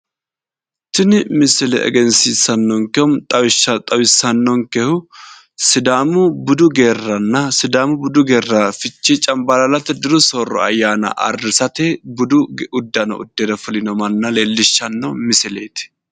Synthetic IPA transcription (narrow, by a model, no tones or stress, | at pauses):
t̪ɪnɪmɪsɪlɛ̰ɛ̰ɡɛnsisɐnːɔŋkɛhʊmt̪ʼɐwɪʃːɐt̪ʼɐwɪsːɐnːɔŋkɛhʊ | sɪd̪aːmʊbʊd̪ʊɡe̞ːrːɐnːɐsɪd̪aːmʊbʊd̪ʊɡeːrːafɪt͡ʃːit͡ʃʼɐmbɐlɐlɐt̪ɛd̪ɪɾʊsorːɔ̰ɐ̰jːaːnɐ̰ʔɐ̰rːɪsɐt̪ɛbʊd̪ʊʊd̪ːɐnɐ̰ʊ̰d̪ːeːd̪ɐfʊlɪnɔmɐnːɐleːlːɪʃːɐnːɔmɪsɪleːt̪ɪ̥